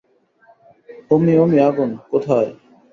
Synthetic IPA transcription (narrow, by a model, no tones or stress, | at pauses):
omiomiaɡonkot̪ʰae